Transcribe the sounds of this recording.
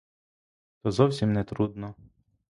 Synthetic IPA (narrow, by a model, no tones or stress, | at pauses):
t̪ɔzɔwsʲimnɛt̪ɾud̪nɔ